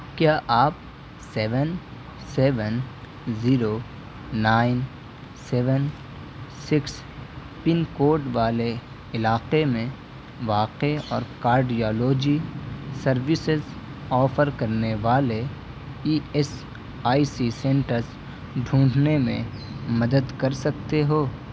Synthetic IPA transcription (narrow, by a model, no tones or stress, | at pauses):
kjaːʔaːp̚ | seːʋən | seːʋən | ziːɾo | naːɪn | sɛːʋən | sɪks | pɪnkoːɾʈʋaːle | ɪlaːqemẽ | ʋaːqeɔ̰ːɾkaːɾɖijoːloːd͡ʒisɐɾʋɪsɪzɔːfʰəɾkɐɾneʋaːle | iːɛs | aːisisẽːɳʈəɾs | ɖʱũːɖnemḛ̃mɐd̪əd̪kɐɾsɐkt̪eɦoː